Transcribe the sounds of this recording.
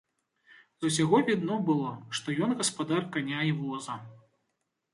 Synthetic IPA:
zusʲaɣɔvʲid̪nɔbɨlˠɔʂt̪ɔjɔnɣɐspad̪arkanʲaivɔzɐ

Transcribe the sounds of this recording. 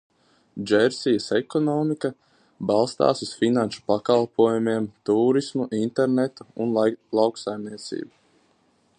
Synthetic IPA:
d͡ʒɛɾsijəsekɔnɔːmika | balˠst̪a̰ːsusfinanʃu̥pakalˠpʰuɔjumeɛmt̪uːɾismuʔint̪eɾnet̪uunlˠɑwksajmniɛt̪sḭːbu

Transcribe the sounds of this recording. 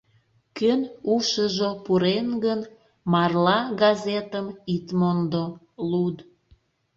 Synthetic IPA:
kønuʃəʒopuɾenɡən | mɑrlɑɡɑzet̪əmit̪mond̪o | lud̪

